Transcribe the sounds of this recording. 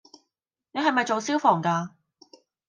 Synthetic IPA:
ne˨˧ɦɐ˨jmɐ˨jt͡ʃo˨wsiː˥wfɔː˨˩ŋkaː˧

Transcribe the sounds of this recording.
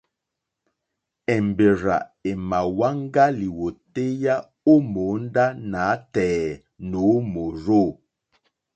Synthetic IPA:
ɛ˨mbe˨ɾa̰˨e˨ma˨wa˦ŋɡa˦li˨wo˨te˦ja˦ | o˦mo˨˦nda˦na˨˦tɛː˨ | no˨˦mo˨ɾo˦˨

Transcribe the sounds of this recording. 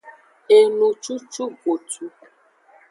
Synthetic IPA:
e˨nu˨t͡ʃu˦t͡ʃu˦ɡo˨tu˦

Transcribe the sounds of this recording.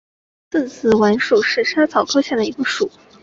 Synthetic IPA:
tə˥˩nsʰɹ̩˧˩wa˧˥nʂu˨˩ʂɻ̩˥˩ʂa˥t͡sʰɑ˨˩ʊkʰɤ˥ɕja˥˩d̪ə˩i˧˥ɡə˧ʂu˨˩˦

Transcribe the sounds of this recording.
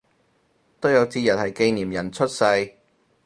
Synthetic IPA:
t̪o˥wjɐ˨˧wt͡siː˧jɐ˨t̚hɐ˨jke˧jniː˨˩mjɐ˨˩nt͡sʰɵ˥t̚sɐ˧j

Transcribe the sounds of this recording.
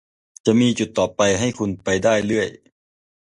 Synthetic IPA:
t͡ɕa˨˩ʔmiː˧t͡ɕu˨˩t̪ːɔː˨˩pa˧jɦa˥˩jkʰu˧npa˧jdaː˥˩jlɯ˥˩əj

